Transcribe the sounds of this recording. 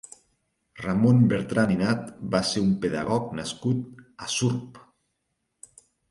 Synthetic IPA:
ramombeɾt̪ɾaninat̪̚baseumpeða̰ɣɔknaskut̪asuɾp

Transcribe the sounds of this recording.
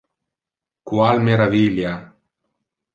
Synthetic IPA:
kwalmeɾavilja

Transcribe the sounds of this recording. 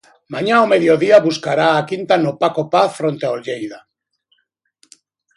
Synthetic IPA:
maɲaomeðjoðiaβuskaɾaːkint̪anopakopaθfɾont̪eaoʎejða

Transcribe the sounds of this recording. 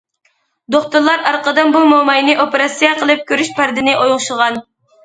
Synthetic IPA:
d̪oχt̪uɾlˠɑɾɑɾqəd̪ɑnbumomɑjnɪʔopeɾɑsijɑqəlˠɨp̚kʲʰøɾyʃpæɾd̪ɪnɪʔojŋʃʊʁɑn

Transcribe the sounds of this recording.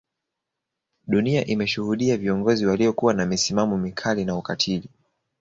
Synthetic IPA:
ɗuniaʔimɛʃuhuɗiaviɔŋɡɔziwaliɔkuwanamisimamɔmikʰalinaukatʰili

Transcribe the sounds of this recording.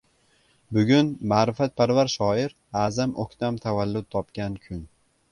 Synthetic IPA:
bʊɡʲʊnmaːɾɪfat̪̚pʰaɾvaɾʃɒɪɾ | azamʔokʲt̪ʰamt̪ʰavalːʊd̪̚t̪ʰɒpkʲankʲʰʊn

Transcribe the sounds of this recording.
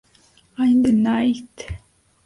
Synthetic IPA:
ajnd̪ənajt̪

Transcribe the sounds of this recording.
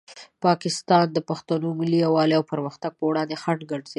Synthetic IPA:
pɑkɪst̪ɑnd̪əpaxt̪anomɪlːiawɑleawpaɾməxt̪aɡ̚pəwɽɑnd̪exaʈɡaɖz̥e

